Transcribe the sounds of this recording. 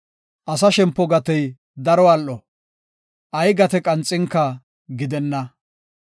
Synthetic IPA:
ʔɐsɐʃɛmpːɔɡɐt̪ɛj | d̪ɐɾɔɐlʔɔ | ʔɐjɡɐt̪ɛkʼɐnt͡sʼːɪŋkːɐ | ɡɪd̪ɛnːɐ

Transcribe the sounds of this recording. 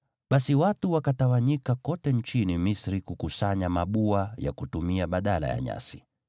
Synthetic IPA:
ɓasiwatuwakatawaɲikakɔtɛnt͡ʃinimisɾikukusaɲamaɓuaja̰kutumiaɓaɗala̰ja̰ɲa̰si̥

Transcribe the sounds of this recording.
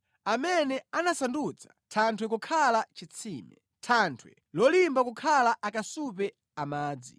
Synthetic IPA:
amɛnɛanasandut͡sʰḁtʰantʰwɛk̬ukʰalat͡ʃit͡sʰiːmɛ̰ | tʰantʰwɛ | lɔlimbakukʰalaʔakasup̬ɛ | amaːd͡zi

